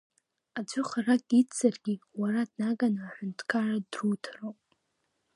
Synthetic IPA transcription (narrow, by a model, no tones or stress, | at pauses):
ad͡ʒʷʊχaraɡʼit͡sʰːarɡʲiwaɾadnaɡanaːħʷᶣʊntʰkʰaradrutʰrowpʼ